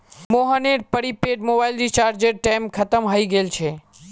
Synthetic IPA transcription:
moɦəneʈ̚pəɾipeɖmobailɾit͡ʃaɾd͡ʒeɾʈɛmkʰət̪əmɦəiɡelt͡ʃʰe

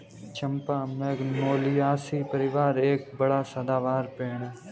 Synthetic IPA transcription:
t͡ʃəmpaːmɛɡnoːliːaːsiːpəɾɪʋaːɾeːk̚bəɽaːsəd̪aːʋaːɾpẽːɳɽ

